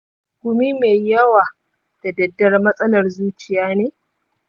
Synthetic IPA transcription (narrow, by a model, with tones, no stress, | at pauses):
kʷʊ˨mi˦meː˨jjɐ˦waː˨ | tɐ˨dɐ˨dːɐ˦rmɐ˦sʼɐ˦lɐ˨rzuː˦t͡ʃɪ˨jaː˦neː˦